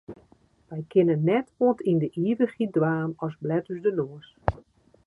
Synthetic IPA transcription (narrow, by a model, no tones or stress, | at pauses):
ʋɛjkʰɪnənːɛtoəntʰindəʔiːvəxidʋaːmɔsblɛtyzdənoəs